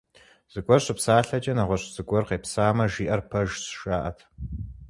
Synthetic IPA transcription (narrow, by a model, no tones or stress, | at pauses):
z̥ɨɡʷʼɔrɕʼɪpsaːɬɐt͡ʃʼɐnɐʁʷɔɕʼz̥ɨɡʷʼɔrqeːpsaːmɐʒiːʔɐrpʰɐʒsʃaːʔɐtʰ